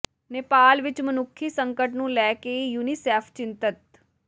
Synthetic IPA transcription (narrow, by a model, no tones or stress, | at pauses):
neːpaːlʋɪt͡ʃmənʊkʰːiːsəŋkəʈnũːlɛːkejuːniːsɛːpʰt͡ʃɪnt̪ət̪